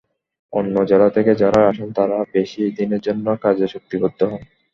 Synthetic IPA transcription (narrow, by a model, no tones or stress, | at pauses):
onːod͡ʑelat̪ʰeked͡ʑaɾaɾaʃont̪aɾabeʃid̪ineɾd͡ʑonːokad͡ʑeʃok̚t̪ibod̪ʱːoɦɔn